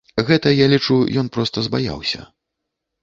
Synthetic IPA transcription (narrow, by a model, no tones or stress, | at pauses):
ɣɛt̪ɐjalʲit͡ʂujɔnpɾɔst̪ɐzbaja̰wsʲɐ̰